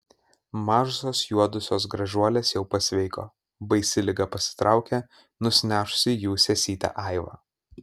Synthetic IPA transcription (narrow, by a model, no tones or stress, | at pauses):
mɑːʒʊsoːsjuɔd̪ʊsʲoːs̬ɡɾɐʒʲuɔlʲeːsjɛʊpɐsʲʋʲɛɪko̰ː | bɐɪsʲɪlʲɪɡɐpɐsʲɪ̥t̪ɾʔɑˑʊkʲe | nʊsʲnʲæːʃʊ̥sʲɪjuːsʲɛsʲiːt̪ʲɑ̰ːʔɐɪʋɑ̰